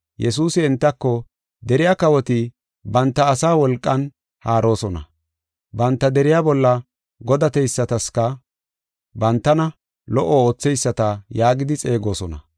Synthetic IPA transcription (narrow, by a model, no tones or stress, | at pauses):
jɛs̬uːsɪɪnt̪ːɐkːɔ | d̪ɛɾɪjakɐwɔt̪ɪ | bɐnt̪ːɐːsaːwɔlkʼːɐn | haːɾo̞ːsɔnɐ̰ | bɐnt̪ːɐd̪ɛɾɪjabɔlːɐ | ɡɔd̪ɐt̪ɛjsːɐt̪ɐskɐ | bɐnt̪ːɐnɐ | lɔʔɔo̞ːt͡sːɛjsːɐt̪ɐjaːɡɪd̪ɪt͡sʼe̞ːɡo̞ːsɔnɐ